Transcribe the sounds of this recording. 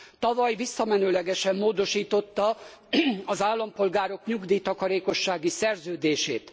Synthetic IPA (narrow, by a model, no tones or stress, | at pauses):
t̪ɒvɒjvisːɒmɛnøːlɛɡɛʃɛmːoːd̪o̞ʃiːt̪o̞t̪ːɒ | ɒzaːlːɒmpo̞lɡaːɾo̞kɲuɡd̪iːt̪ɒkɒɾeːko̞ʃːaːɡisɛrzøːd̪eːʃḛːt̪